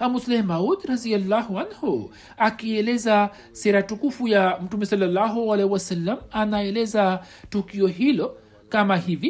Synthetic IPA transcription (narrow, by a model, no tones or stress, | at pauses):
amuslɛhmaud̪ɾazialːahuanhu | akiɛlɛza | sɛɾatukufujam̩tumɛsalːalːaɦualɛhiwasalːamanaɛlɛza | tukiɔɦilɔ | kamahivi